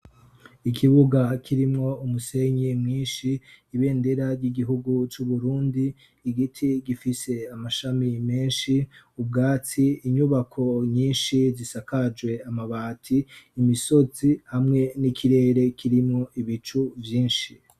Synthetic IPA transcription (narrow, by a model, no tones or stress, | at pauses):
ikʰiβuɡakʰiɾimŋo̞umuse̞ɲimŋiːnʃiːβe̞ːndeɾaɾɟiɡiɦuɡut͡ʃuβuɾuːndiː | ɡitʰiɡifise̞amaʃamime̞ːnʃi | ub̚ɡaːt͡siiɲuβakʰo̞ɲiːnʃizisakad͡ʒwe̞amaβaːtʰiːmiso̞zihamŋe̞nikʰiɾe̞ːɾe̞kʰiɾimŋo̞ʔiβit͡ʃuvjiːnʃi